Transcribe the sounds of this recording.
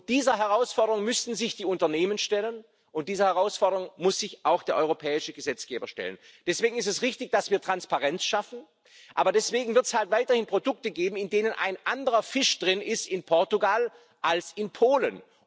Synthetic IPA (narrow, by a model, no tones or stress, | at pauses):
d̥iːzɐɦɛʁaʊsfɔɐɾəʁʊŋmʏstn̩zɪçd̥iːʊntɐneːmənʃtɛlən | ʔʊntd̥iːzəhɛʁaʊsfɔɐɾəʁʊŋmʊsz̥ɪçʔaʊxd̥eːɐʔɔʏʁopʰɛːɪʃəɡəzɛt͡sɡ̥ḛːbɐʃtɛ̰lə̰nd̥ɛsv̥eːɡŋ̩ɪstɛsʁɪçtɪçd̥asv̥iːɐtʁ̥anspaʁɛnt͡sʃafn̩ | ʔaːbɐdɛsv̥eːɡŋ̩vɪɐtshaltvaɪtɐhɪnpʁ̥odʊk̚təɡeːbm̩ɪndeːnənʔa̰ɪnʔandəʁɐfɪʃd̥ʁɪnʔɪstɪnpʰɔɐtuɡal | ʔalsɪnpʰoːlə̰n